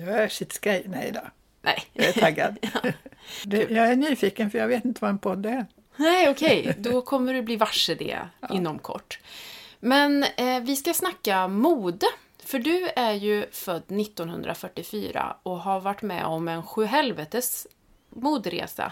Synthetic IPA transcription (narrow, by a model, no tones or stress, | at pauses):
jɑæʂɪt̪sɡɾɛjnɛjd̪ɔ | nɛ̰jɑɛaɡːa̰d̪ | d̪ɛjɑːæɳyːfiːkənfœɾjaɡveːt̪ɪnt̪əvaɛnpʰɔd̪ːæɾ | nɛɪɔkʰɛjd̪ɔkʰɔmːəɖɵbliːvaʂəd̪ɛ̰ːʔɪnːɔmkʰɔ̰ʈːmɛnvɪskasnakːamuːd̪ə | fœɖɵæɾjɵfœd̪ːnɪt̪ːɔnhɵ̰nd̪ɾʔa̰fœʈːɪfy̰ːɾa̰ɔɦaɾvaʈːmɛ̰ɔmɛnɧʉ̟ːɦɛlvɛt̪əs | muːd̪ɾḛːsa̰